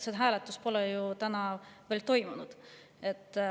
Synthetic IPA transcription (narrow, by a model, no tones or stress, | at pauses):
sed̪ɦæːlet̪ːˑuspo̞lɛjut̪ænɑveːlt̪o̞jmunud̪̥ | e̞t̪ː